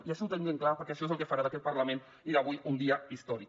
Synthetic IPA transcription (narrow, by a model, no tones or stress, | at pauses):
iaʃenut̪əŋɡeŋklapəɾkɛəʃɔezəlˠkefaɾaðəkɛt̪̚pəɾləmen | iɾaβujund̪iəist̪ɔɾi